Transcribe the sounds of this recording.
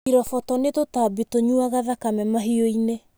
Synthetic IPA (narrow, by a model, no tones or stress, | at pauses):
iɾɔfɔtɔnetotabitoɲuaɣaðakamɛmaɦioine